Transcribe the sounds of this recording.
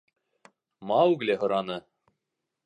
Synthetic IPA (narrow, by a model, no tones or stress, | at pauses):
mɑwɡleɦŏɾɑnɤ